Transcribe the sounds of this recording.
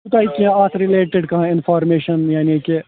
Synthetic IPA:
ut̪aːikiãaːt̪ʰɾɪleːʈeɖkɐɦãɪnfaːɾmeːʃənjaːniːke

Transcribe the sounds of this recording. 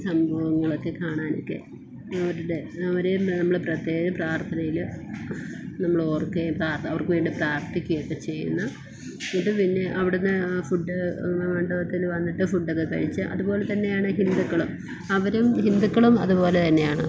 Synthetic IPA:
sɐmbʱɐʋɐŋːɐɭokːe̞kaːɳaːno̰kːe̞̰ | ɐʋɐɾuɽeɐʋɐɾenɐmːɐɭɨprɐt̪jeːd͡ʑɐpraːrt̪ʰɐnɐjil | nɐmːɐɭo̞ːrkːepraːrt̪ɐʋɐrkɨʋeːɳɖipraːkt̪ikʲːujokːe̞t͡ɕe̞jːṵnːɐ | oɳɖɨpinːeʔɐʋiɽunːɨfuɖːɨmɐɳɖɐʋɐt̪ːilʋɐnːiʈːɨfuɖːɐkːekɐ̰ɻit͡ɕːɨʔɐ̰ðupo̞ːlet̪ɐnːejaːɳɨɦind̪ukːɐɭum | ɐʋɐɾumhind̪ukːɐɭumɐ̰ðupo̞ːlet̪ɐnːe̞jaːɳɨ

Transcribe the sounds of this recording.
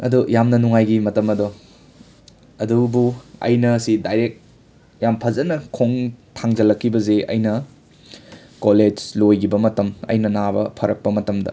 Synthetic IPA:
ɐ̰dujamnɐnuŋajɡimɐtɐmɐdo | ɐ̰dubuɐ̰jnɐsidajɾek̚ | jampʰɐzɐnɐkʰoŋtʰaŋzɐlɐkʰːibɐzeɐ̰jnɐ | koled͡ʒlojɡibɐmɐtɐmɐ̰jnɐnabɐ̰pʰɐɾɐk̚pɐmɐtɐmdɐ̰

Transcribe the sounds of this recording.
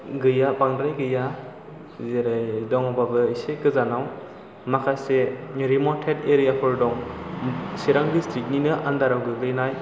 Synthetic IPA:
ɡɯjapaŋdɾajɡɯja | zeɾajdɔŋababɯiseɡɯzanaw | makʰaseɾimɔntʰedeɾijapʰɯɾdɔŋ | siɾaŋdistɾik̚ninɯʔandaɾawɡɯɡɯjnaj

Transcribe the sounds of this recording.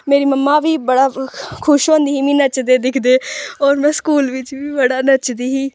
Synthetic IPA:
meːɾiːməmːaːʋiːbəɽaːkʰʊʃɦõːnd̪iːɦiːmĩːnət͡ʃd̪eːd̪ɪkʰd̪eːɔːɾmɛ̃ːskuːlʋɪt͡ʃʋiːbəɽaːnət͡ʃd̪iːɦiː

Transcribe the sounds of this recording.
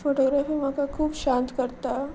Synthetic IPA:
foʈoɡɾafiːmakakʰuːbʃãnt̪kəɾt̪a

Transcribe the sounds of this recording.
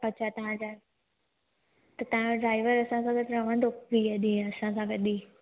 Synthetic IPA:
pɐt͡ɕʰat̪ɐʋ̤ãd͡ʑaː | t̪ɐt̪ɐʋ̤ãɖɾaːɪʋəɾɐsãsãɡət̪ɾɐʋə̃nd̪oʋiəd̪ĩɐsãsãɡɐd̪iː

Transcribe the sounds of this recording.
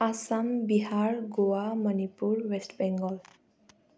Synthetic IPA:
asambiɦaɹɡowamɔnipuɹwesʈbɛŋɡɔl

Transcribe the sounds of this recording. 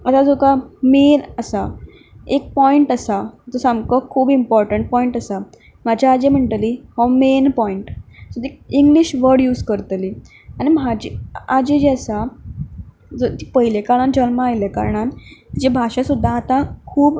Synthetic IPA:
ət̪ad͡zokamenəsa | ek̚pɔiɳʈasat̪osamkəkʰuːbimpɔɾʈəɳʈ̚pɔiɳʈasa | m̤ad͡ʑʱjaːd͡ʑemeɳʈliːhɔmenpɔiɳʈsot̪iiŋɡliɕʋəɾɽjuːd͡zkəɾt̪liː | aɽ̃imad͡ʑiad͡ʑed͡ʑesa | d͡zot̪iːpəɦilekaɭand͡ʑənməajleka̰ɾɳand͡ʑebʱaɕasud̪ʱːaːt̪akʰuːb

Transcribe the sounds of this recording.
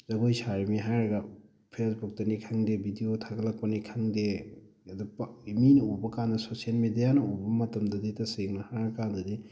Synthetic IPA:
zɐɡojsaɾimiɦaɾɐɡa | pʰesbuk̚tɐnikʰaŋdebʱidijotʰaɡɐlɐk̚pɐnikʰaŋde | dɐpiminubɐkandɐsosielmidijanɐubɐmɐtɐmdɐditɐseŋnɐhaɾɐkandɐdi

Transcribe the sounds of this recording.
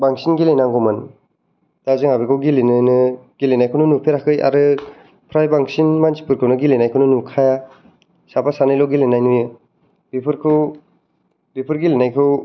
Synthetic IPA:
baŋsinɡilenaŋɡɔmɯn | tazɯŋabikʰɯwɡilenɯnɯɡ̥ilenajkʰownɯnupʰeɾakɯjʔa̰ɾɯ | pʰɾajbaŋsinmansi̥puɾkʰɯwnɯɡilenajkʰɯwnɯnukʰaja | sapasanɯjlɔɡilenajnujɯ | bipʰɯɾkʰɯw | bipʰɯɾɡilenajkʰɯw

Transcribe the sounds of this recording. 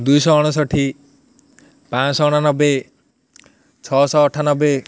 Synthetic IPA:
d̪ujsɔːɽ̃ɔs̬ɔʈʰi | pãsɔɔɽ̃anɔbe | t͡ʃʰɔsɔːʈʰanɔbe

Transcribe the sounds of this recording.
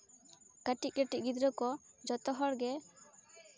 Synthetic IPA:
kaʈiʔ̚kəʈiʔ̚ɡid̪ɾɔkɔd͡ʒɔt̪ɔɦɔɽɡɛ

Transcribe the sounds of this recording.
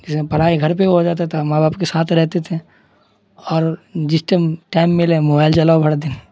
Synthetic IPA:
kɪspɐɽ̤aːiɡʱɐɾpeɦod͡ʒaːt̪̬at̪ʰamaːbaːpkesaːt̪ʰɾɛɦt̪et̪ʰe | ɔːɾd͡ʒɪsʈeʈaːɪmːɪlɛ̃moːbaːɪlt͡ʃɐlaːbʱɐɽd̪ɪn

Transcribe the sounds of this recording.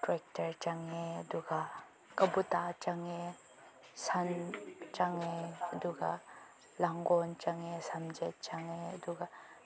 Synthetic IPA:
tɾɛk̚tɐɾt͡ʃaŋeəd̪uɡa | kɐbut̪at͡ʃaŋe | sant͡ʃaŋeəd̪uɡa̰ | laŋɡɔnt͡ʃaŋesamd͡ʒɛt̚t͡ʃaŋed̪uɡa

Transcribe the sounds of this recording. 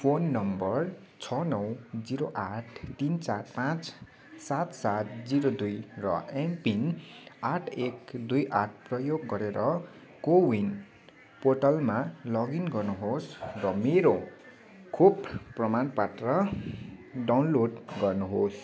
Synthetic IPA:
pʰonːʌmbʌr | t͡sʰʌnʌwd͡ziɾoʔaʈʰt̪int͡sarpãt͡s | sat̪sat̪̚d͡ziɾod̪ujrʌ̰empinaʈʰekd̪ujʔaʈʰprʌjoɡːʌɾeɾʌ | kowin | poʈʌlmalʌɡinɡʌrnuɦosrʌmeɾo | kʰubpːrʌmanpaʈrʌ | ɖawnloɖɡʌrnuɦos

